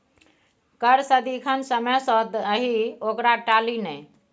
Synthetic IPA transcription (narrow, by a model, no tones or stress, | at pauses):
kəɾsəd̪ikʰənsəməsɔd̪əɦiokɾaʈaːlinɛ